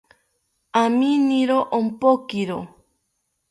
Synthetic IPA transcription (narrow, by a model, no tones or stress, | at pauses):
aminiɾoʔompokiɾo